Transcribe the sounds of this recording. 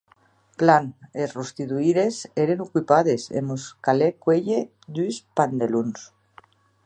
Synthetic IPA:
planesrust̪it̪uiɾeseɾenokwipaðesḛmuskalekweʎe | d̪yspand̪eluns

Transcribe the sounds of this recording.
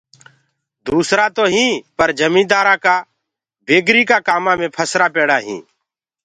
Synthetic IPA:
d̪uːsɾaːt̪oːɦĩːpəɾd͡ʒʱəmĩːd̪aːɾãːkaː | bʱeːɡɾiːkaːkaːmãːmẽːpʰəsɾaːpeːɽaːɦḭ̃ː

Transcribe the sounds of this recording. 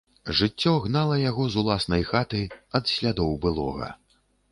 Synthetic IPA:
ʐɨt͡sʲːɔɣnalˠɐjaɣɔzulˠasnɐjxat̪ɨjɐd̪sʲlʲad̪ɔwbɨlˠɔ̰ɣɐ̰

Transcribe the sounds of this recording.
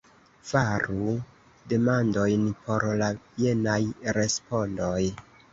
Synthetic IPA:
faɾu | de̞mando̞jnpo̞ɾlaje̞najɾe̞spondoj

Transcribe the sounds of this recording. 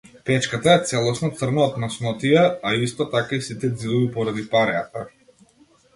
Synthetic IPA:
pɛt͡ʃkat̪aɛt̪sɛlˠɔsnɔt̪sr̩nɔːt̪nasnɔt̪ijaaist̪ɔt̪akaisit̪ɛd̪zid̪ɔbipɔɾad̪ipaɾɛat̪a

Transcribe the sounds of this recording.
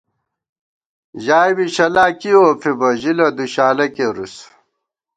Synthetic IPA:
ʑaːjbiɕɐlaːkiofibɐʑilɐd̪uɕaːlɐkeɾus

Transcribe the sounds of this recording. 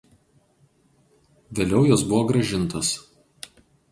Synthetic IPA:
ʋʲeːlʲɛʊjɔsbʊʋɔːɡɾɐʒʲɪnˑt̪os

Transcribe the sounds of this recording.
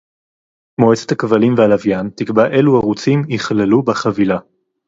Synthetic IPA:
moet͡set̪hakvalimvealavjant̪ikbaʔe̞luhaʁut͡simiχlelubaχavila

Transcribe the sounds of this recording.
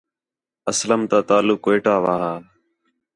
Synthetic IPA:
əsləmt̪aːt̪aːlʊkʋeːʈaːʋaːɾaːl

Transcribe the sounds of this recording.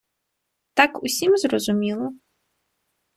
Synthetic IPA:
t̪akusʲimzrɔzumʲilˠɔ

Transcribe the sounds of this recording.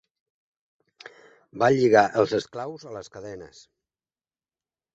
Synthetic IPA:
baʎiɣaʔəlˠzəsklawzələskəðɛnə̰s

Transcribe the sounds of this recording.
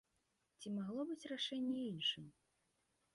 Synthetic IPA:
t͡sʲimaɣlˠɔbɨt͡sʲraʂɛnʲːɛinʂɨm

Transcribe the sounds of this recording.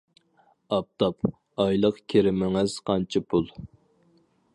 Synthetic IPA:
ɑp̚t̪ʰɑp | ɑjlˠəqkʲʰeɾɪmɪŋɪz̥qʰɑnt͡ʃʰɪpʰulˠ

